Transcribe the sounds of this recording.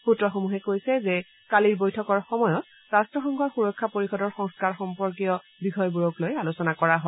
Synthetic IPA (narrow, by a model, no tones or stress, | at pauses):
xutɹɔxomuɦɛkojsɛzɛ | kaliɹbojtʰɔkɔɹxɔmɔjɔt | ɹastɹɔxɔŋɡɔɹxuɹɔkʰːapoɹixɔdɔɹxɔ̃ŋskaɹxɔmpɔɹk̬ijɔ | bikʰɔjbuɹɔklojalusɔnakɔɹaɦoɔ